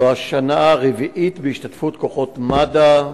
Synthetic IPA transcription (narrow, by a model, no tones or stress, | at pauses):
oaʃanaːʁeviʔit̪beiʃt̪at̪fut̪ko̞χo̞t̪mada